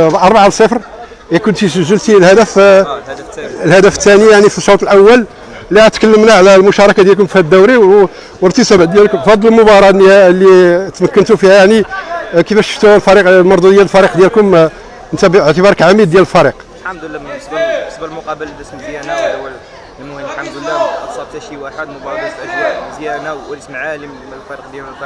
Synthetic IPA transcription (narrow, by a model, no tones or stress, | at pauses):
blʔɑɾˤbaʕalsˤəfɾ | ækʊnt̪iʃəʒːəlt̪ilhæd̪æf | lhæd̪æfət̪ːænijaʕnifiʃːot̪ˤəlʔəwːəl | liæt̪kəlːəmnaʕlælmʊʃɑɾˤɑkad̪jælkʊmfhæd̪ːæwɾi | wəɾt̪əsəbʕd̪jælkʊmfɑd̪ˤːələlmʊbɑɾˤɑniælːit̪mækːənt̪ufihæjaʕnikəfæʃə̥ft̪uwælfɑɾiqlmɑɾˤd̪ud̪jæləlfɑɾiqd̪jælkʊm | nt̪æbəʕt̪əbɑɾˤəkʕamid̪d̪jæləlfɑɾiq | lħamd̪lːæmsˤbəsˤbəlmʊqɑbəld̪əsmzjænaw | ənwænlħamd̪əlːæt̪sˤɑb̚t̪æʃiwʔaħad̪mʊbɑɾˤɑt̪ædjæzjænæləsmʕali | fæɾiq̚d̪jæll